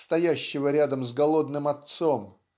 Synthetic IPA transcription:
st̪ɐjæɕːɪvəɾʲad̪əmzɡɐlˠo̞d̪nɨmɐt̪so̞m

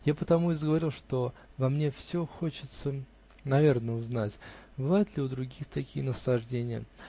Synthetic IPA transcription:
japət̪ɐmuɪzɡəvɐɾʲilˠʂt̪o̞vɐmnʲe̞fsʲoxot͡ɕɪt̪sə | nɐvʲe̞rnəʊznatʲbɨvajʊt̪lʲɪʊd̪ɾʊɡʲixt̪ɐkʲijənəslˠɐʐdʲenʲɪjə̰

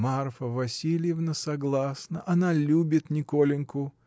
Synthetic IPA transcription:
marfəvɐsʲilʲɪjɪvnəsɐɡlˠasnəʔɐnalʲubʲɪt̪nʲɪkolʲɪnkʊ

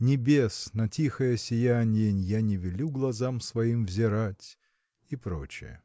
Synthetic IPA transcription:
nʲɪbʲe̞snɐtʲixəjəsʲɪjanʲɪjənʲjanʲɪvʲɪlʲuɡlˠɐzamsvɐimvzʲɪɾatʲ | ipɾo̞̰t͡ɕɪ̰jə̰

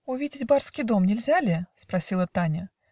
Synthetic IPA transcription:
ʊvʲidʲɪtʲbarskʲɪjd̪o̞mnʲɪlʲzʲælʲɪspɾɐsʲilˠət̪anʲə

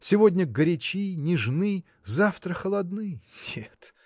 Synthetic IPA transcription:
sʲɪvo̞dʲnʲəɡəɾʲɪt͡ɕinʲɪʐnɨ | zaft̪ɾəxəlˠɐd̪nɨjnʲet̪

